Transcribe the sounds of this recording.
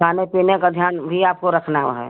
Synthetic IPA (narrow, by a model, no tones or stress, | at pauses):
kʰaːnepiːnekad̪ʱjaːnbʱiaːp̚koɾəkʰnaːʋɦɛ̰ː